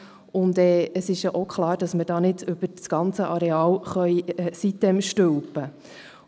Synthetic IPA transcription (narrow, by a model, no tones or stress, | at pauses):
ʊndɛːəsɪʃjaʔokχlˠɑːɾd̥ɑsmədɑːnɪdɵb̥əɾsɡ̥ɑnt͡səʔɑɾɛɑːlχœʏɛːsit̚d̥ɛmʃtøwpə